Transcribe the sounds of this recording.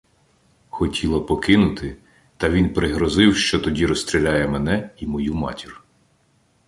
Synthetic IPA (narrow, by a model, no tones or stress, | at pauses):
xɔtʲʰilˠɔpɔkɪnʊt̪ɪ | t̪ɐʋʲinpɾɪɦɾɔzɪwʃt͡ʃɔt̪ɔdʲiɾɔst̪ɾʲilʲajɛmɛnɛimɔjumɑ̰tʲir